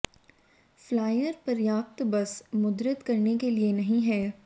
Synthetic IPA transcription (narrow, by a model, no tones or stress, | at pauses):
flaːjəɾpɐɾjaːp̚t̪bɐsmʊd̪ɾət̪kɐɾnekelienɐɦĩɦɛː